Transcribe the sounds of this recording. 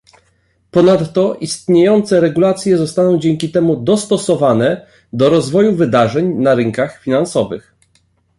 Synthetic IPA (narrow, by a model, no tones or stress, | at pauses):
pɔnat̪ːɔʔist̪ɲejɔnt̪sɛɾɛɡulat̪sʲjɛzɔst̪anɔ̃w̃d͡ʑɛŋkʲit̪ɛmud̪ɔst̪ɔsɔvanɛ | d̪ɔɾɔzvɔjuvɘd̪aʐɛɲnaɾɘŋkaxfʲinansɔvɘ̰x